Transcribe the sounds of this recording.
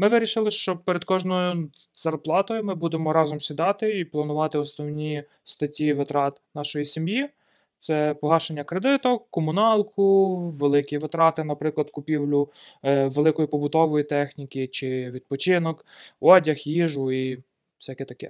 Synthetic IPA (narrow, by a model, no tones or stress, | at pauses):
mɪʋɪɾʲiʃɪlˠɪʃt͡ʃɔpeɾed̪kɔʒnɔjʊ | z̥ɐrplˠɑt̪ɔjʊmɪbud̪emɔɾɑzɔmsʲid̪ɑt̪ɪiplˠɐnʊʋɑt̪ɪɔsnɔwnʲi | st̪ɐtʲːiʋɪt̪ɾɑt̪nɑʃɔjisʲimji | t̪sɛpɔɦɑʃenʲːɐkɾed̪ɪt̪ɔkɔmʊnɑlˠkʰʊʋelˠɪkʲiʋɪt̪ɾɑt̪ɪnɐpɾɪklˠɐd̪kʊpʲiwlʲʊʋelˠɪkɔjipɔbʊt̪ɔʋɔjit̪ɛxnʲikʲit͡ʃɪʋʲid̪̚pɔt͡ʃɪnɔkɔdʲɐxjiʒʊi̥ | sʲɛjɐkɛt̪ɐkɛ̰